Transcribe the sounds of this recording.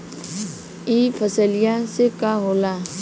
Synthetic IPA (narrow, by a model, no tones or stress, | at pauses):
ipʰəsəlijasekaɦoːlaː